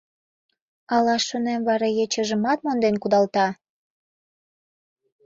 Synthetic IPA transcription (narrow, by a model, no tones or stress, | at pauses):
ɑlɑʃonemβɑɾɑjet͡ɕəʒəmɑt̪̚mond̪enkud̪ɑlt̪ɑ